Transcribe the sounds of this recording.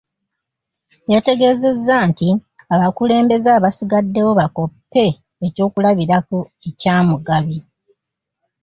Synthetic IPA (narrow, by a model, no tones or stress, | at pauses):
jate̞ɡe̞ːze̞zːanti | aβakule̞ːmbe̞zaβasiɡadːe̞wo̞βako̞pːe̞ː | co̞ːkulaβiɾaku | ecaːmuɡaβi